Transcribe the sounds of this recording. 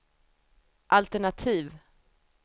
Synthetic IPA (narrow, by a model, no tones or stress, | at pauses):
ʔalt̪ɛɳat̪ʰiːv